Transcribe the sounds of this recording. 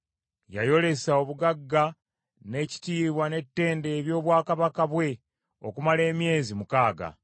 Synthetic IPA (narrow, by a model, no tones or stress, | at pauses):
ja̰jo̞le̞sao̞βuɡaɡːa | ne̞ci̥tiːβwane̞tːe̞ːnde̞ːβjo̞ːβwaːkaβakaβwe̞ | o̞̰kumale̞ːmje̞ːzimukaːɡa̰